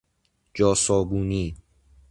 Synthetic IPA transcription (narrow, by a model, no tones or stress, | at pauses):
d͡ʒɒːsɔːbuːniː